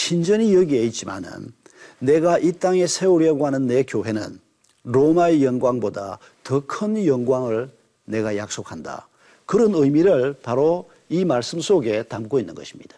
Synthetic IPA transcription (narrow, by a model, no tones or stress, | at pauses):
ɕʰind͡ʑʌɲijʌɡie̞it̚t͡ɕ͈ima̰nɯ̰nːe̞ɡaʔit͈aŋe̞sʰe̞uɾjeɡoɦanɯnːe̞kjoɦe̞nɯ̰n | ɾomaejʌnɡwaŋboda̰ | tʌkʰɯnjʌŋɡwaŋɯɭ | ne̞ɡajak̚s͈ok̚handa̰ | kɯɾʌnɯjmiɾɯɭpaɾo | imaɭs͈ɯmsʰoɡe̞tamk͈oinːɯ̰nɡʌɕʰimɲid̥a